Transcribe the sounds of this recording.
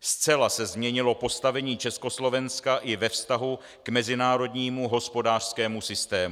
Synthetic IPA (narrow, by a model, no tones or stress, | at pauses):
st͡sɛlasɛzmɲɛɲɪlo̞po̞st̪avɛɲiːt͡ʃɛsko̞slo̞vɛnskaʔɪvɛfst̪aɦu | kmɛzɪnaːɾo̞dɲiːmuɦo̞spo̞daːr̝̥skɛːmusɪst̪ɛːm